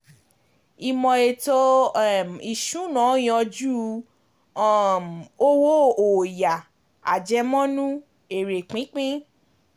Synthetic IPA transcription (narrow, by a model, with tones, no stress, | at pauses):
i˨mɔ̃˨e˨to˧˦˨mi˨ʃũ˨˦nã˨˦j̃ɔ̃˧d͡ʒu˦˨ | mo˦wo˦o˨ja˨ | a̰˨d͡ʒɛ˧mɔ̃˦nũ˦ | e˨ɾe˨k͡pĩ˨˦k͡pĩ˦